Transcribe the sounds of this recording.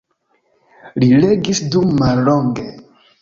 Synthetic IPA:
lile̞ɡisdummalːo̞ŋɡe

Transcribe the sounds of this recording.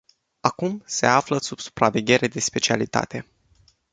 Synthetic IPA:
akumse̞̰afləsub̥su̥pɾave̞ɡʲe̞ɾe̞d̪e̞spe̞t͡ʃialit̪a̰t̪e̞

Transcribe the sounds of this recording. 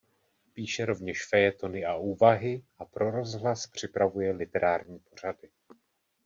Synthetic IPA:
piːʃɛɾo̞vɲɛʃfɛjɛt̪o̞nɪaʔuːvaɦɪʔapɾo̞ɾo̞zɦlaspr̝̥ɪpɾavujɛlɪt̪ɛɾʔaːɾɲiːpo̞r̝adɪ

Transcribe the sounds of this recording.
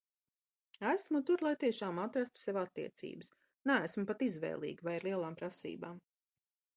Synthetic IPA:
æsmut̪uɾlˠajt̪iɛʃaːmat̪ɾast̪u̥sɛvat̪ːḭɛt̪sḭːbəs | nææsmupat̪izʋɛ̰ːlˠḭːɡivajaɾlˠiɛlˠaːmpɾasḭːba̰ːm

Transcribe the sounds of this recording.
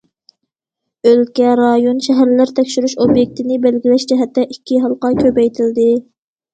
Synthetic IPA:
ølkʲɛɾɑjonʃɛɦæɾlɪɾt̪ʰɛkʲʃyɾyʃobjek̚ʲt̪ɪnɪbælɡʲilɛʃd͡ʒɛɦɛt̪ːɛʔikʲʰːiɦɑlˠqɑkʲʰøpɛjt̪ʰɪld̪ɪ

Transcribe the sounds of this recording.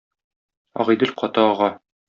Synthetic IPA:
ɒ̰ʁɤjd̪ɘlʲqɒt̪ɑɒʁɑ

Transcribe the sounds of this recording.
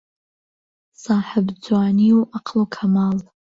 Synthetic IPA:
saħabd͡zaːnioʔaqʰlokʰamal

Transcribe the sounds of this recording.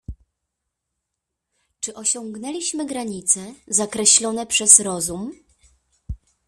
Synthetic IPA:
t͡ʂɘʔɔɕɔŋɡnɛlʲiɕmɘɡɾaɲit̪sɛzakɾɛɕlɔnɛpʂɛsɾɔzum

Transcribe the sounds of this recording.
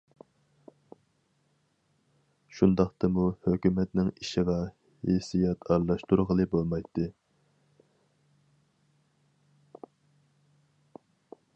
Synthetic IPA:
ʃund̪ɑqt̪ɑmuhøkʲymɛt̪nɪŋiʃɪʁɑ | hejsijɛt̪ʰɑɾlˠɑʃt̪uɾʁəlˠɨbolˠmɑjt̪ʰːɨ

